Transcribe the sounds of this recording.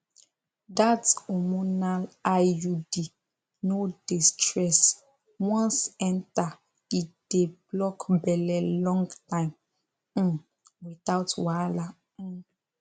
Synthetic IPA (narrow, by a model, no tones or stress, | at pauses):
datɔmunalajudi | nodistɹɛs | wɔ̃nsɛ̃nta | id̥eblɔkbɛlɛlɔ̃ŋɡtãɪ̃m̩ | witaʊtwala